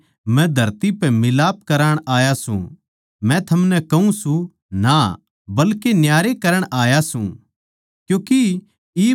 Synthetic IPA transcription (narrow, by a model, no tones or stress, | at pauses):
mɛ̃d̪ʱɐɾt̪ipɛmɪlaːp̚kɐɾaːɽ̃aːjasṵ̃ | mɛ̃t̪ʰɐmnɛkɐũsũ | na | bɐlkenjaːɾekɐɾəɽ̃aːjasṵ̃ | kjõːki | iː